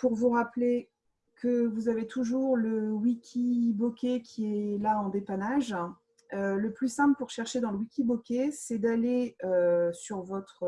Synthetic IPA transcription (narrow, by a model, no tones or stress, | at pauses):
puʁvuʁaple | kʰəvuzavet̪ʰuʒuʁləwikʲʰibokʲekʲʰiɛlaɑ̃d̪epanaʒ | øləplysɛ̃pləpuʁʃɛʁʃed̪ɑ̃ləwikʲibokʲesɛd̪aleøsyʁvɔt̪χ